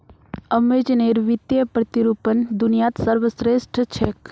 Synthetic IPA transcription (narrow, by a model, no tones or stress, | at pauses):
əmed͡ʒneɾʋit̪jəpɾət̪iɾupənd̪unijat̪səɾʋəsɾesʈʰət͡ʃʰek